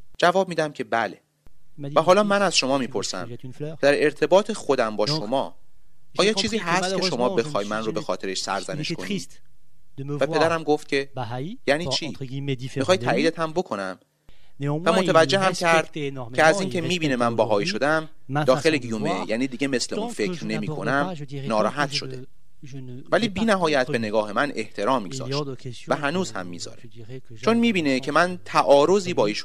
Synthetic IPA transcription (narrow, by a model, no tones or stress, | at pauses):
d͡ʒævɒːb̚miːd̪æmcʰe̞bæle | æɦɒːlɒːmænæz̥ʃo̞mɒːmiːpʰo̞ɾsæ̰mʰd̪æɾe̞ɾt̪ʰe̞bɒːt̪ʰexo̞d̪æmbɒːʃo̞mɒː | ɒːjɒt͡ʃʰiːziːɦæst̪kʰeʃo̞mɒːbe̞xɒːjmænrobexɒːt̪ʰe̞ɾeʃsæ̰ɾzæne̞ʃkʰo̞ni | væpʰe̞d̪æɾæmɡo̞ft̪̚cʰʲe̞jæːniːt͡ʃʰiːixɒːjt̪ʰæʔiːd̪et̪ʰæmbo̞kʰo̞næm | væmot̪ʰævæd͡ʒːe̞ɦæmcʰæɾd̪̥ʰʲeæziːncʰemiːbiːne̞mænbæɦɒːjiʃo̞d̪æm | d̪ɒːxe̞leɡijumejæ̰ːniːd̪iːɟe̞me̞sleunfe̞cʰɾne̞miːkʰo̞næmnɒːɾɒːɦæt̪ʃo̞d̪e̞ | væliːbiːnæɦɒːjæt̪ʰbe̞ne̞ɡɒːhe̞mænʔeht̪ʰe̞ɾɒːmːḭɡzɒ̰ːʃt̪væɦænuːz̥hæ̰mːḭːzɒ̰ːɾe | t͡ʃʰo̞nmiːbiːne̞cʰe̞mænt̪ʰæʔɒːɾo̞ziːbɒːiːʃ